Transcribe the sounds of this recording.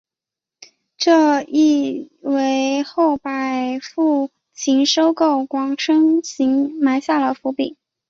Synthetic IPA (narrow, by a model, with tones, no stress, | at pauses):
ʈ͡ʂɤ˥˧i˥˩we˧˥ɪxo˥˩ʊpa˨˩ɪfu˥˩ | t͡ɕʰi˧˥ŋʂo˥ʊko˥˩ʊkwɑ˧˥ŋʈ͡ʂʰɤ˥ŋɕi˧˥ŋma˧˥ɪɕja˥˩lə˩fu˧˥pḭ˨˩˦ŋ